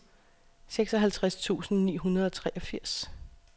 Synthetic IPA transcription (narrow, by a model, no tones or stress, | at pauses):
seɡ̥sɒ̽ɦælt͡sʰʁast͡sʰṵːsn̩nḭːɦunɐðˠɒ̽t͡sʰʁɛːʔɒ̽fiɐ̰s